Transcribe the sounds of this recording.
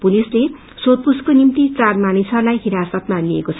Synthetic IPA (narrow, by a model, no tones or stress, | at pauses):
pulisle | sod̪̚puskonimt̪it͡sarmanisʌrlajɦiɾasʌt̪maliekot͡sʰ